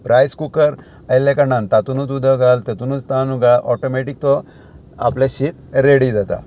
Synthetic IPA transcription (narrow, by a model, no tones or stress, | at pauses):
pɾajskukəɾ | ajlekaɳãnt̪at̪unut͡sud̪əɡalt̪et̪unut͡st̪anuɡaʔɔʈomeʈik̚t̪ɔ | a̰pleɕit̪ɾeɽid͡zat̪a̰